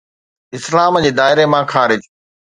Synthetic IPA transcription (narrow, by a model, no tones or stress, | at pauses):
ɪslaːmd͡ʑeːd̪aːɪɾemãːxʰaːɾɪd͡ʑ